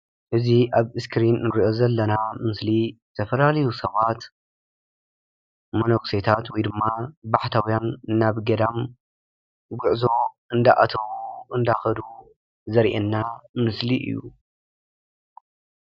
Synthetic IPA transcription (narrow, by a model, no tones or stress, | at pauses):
ʔɨziʔaβɨskʰɾinːɨɾiʔo̞zɐlːɐnamɨsli | t̪ʰɐfɐlalɐjusɐβat̪ | monokset̪ʰat̪wɔjd̪ɨmːabaħt̪ʰawijanːaβɡɐd̪am | ɡʊʕzo̞ | ɨnd̪aʔa̰t̪ʰɐβuɨnd̪axɐd̪u | zɐɾʔḛnːamɨsliʔɨ̰jːu